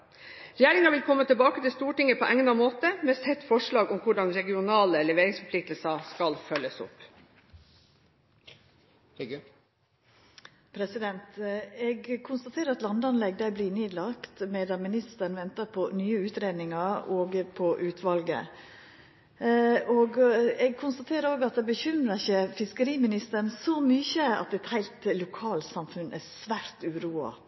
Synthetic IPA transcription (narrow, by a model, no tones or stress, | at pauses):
ɾɛjeːɾɪŋɑʋɪlkʰɔmːət̪ʰɪlbɑːkət̪ɪlst̪uːʈɪŋːəpʰɔʔɛŋnɑmoːt̪əmɛsɛt̪fɔʂɭɑːɡɔmkʰʊɖɑnɾɛɡɪʊnɑːləlɛʋeːɾɪŋsfɔpʰlɪk̚t̪l̩sɑskɑlfœlːəsʊ̰p | pʰɾɛsɪd̪ɛnt̪ɛɡkʰʊnst̪ɑt̪ʰeːɾəɾɑt̪lɑnd̪ɑnlɛɡd̪æbliːneːd̪lɑkt̪meːd̪ɑmɪnɪst̪əɳʋɛnt̪əɾpʰɔnyːəʉːt̪ɾeːd̪nɪŋɑɾoːɡpʰɔʔʉːt̪ʰʋɑlɡə̰ | oɡɛɡ̚kʰʊnst̪ɑt̪ʰeːɾəɾoːɡɑt̪̚d̪ɛbəçʏmɾəçəfɪskəɾiːmɪnɪst̪ənsɔmyçəɑ̰t̪ːɛt̪hæɪlt̪lʊkʰɑːlsɑmfʉnʔæsʋæːɾt̪ʉɾuːɑ̰